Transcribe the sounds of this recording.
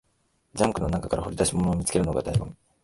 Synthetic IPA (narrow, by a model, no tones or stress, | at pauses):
d͡ʑãŋkɯ̟no̞nakakaɾahoɾʲid̪aɕimo̞noːmʲit͡sɨ̥kʲe̞ɾɯ̟noɡa̰d̪aibɯ̟̰̃